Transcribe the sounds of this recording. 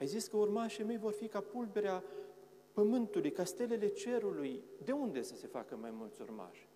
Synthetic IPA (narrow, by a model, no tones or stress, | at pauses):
ajziskəurmaʃeme̞jvo̞rfikapulve̞ɾea | pəmɨnt̪ulujkast̪e̞le̞le̞t͡ʃe̞ɾulujd̪e̞und̪e̞səse̞fa̰kəma̰jmult̪sʲurma̰ʃʲ